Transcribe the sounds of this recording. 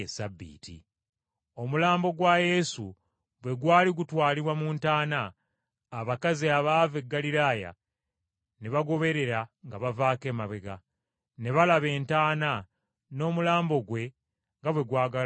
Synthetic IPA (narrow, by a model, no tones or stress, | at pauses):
esabːḭːtḭ | o̞mulaːmbo̞ɡwaje̞su | bwe̞ɡwaːliɡutwaːliβwamuːntaːnaː | βakaziaβave̞ɡːaliɾaːja̰ | neβaɡo̞βe̞ɾe̞ɾaŋɡaβavaːke̞ːmaβeɡa | ne̞βalaβe̞ːntaːna | no̞ːmulaːmbo̞ɡwe̞ | ŋɡaβwe̞ɡwaːɡal